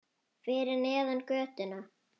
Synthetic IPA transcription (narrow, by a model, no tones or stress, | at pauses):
fɪɾɪɾnɛːðankœːt̪ʏna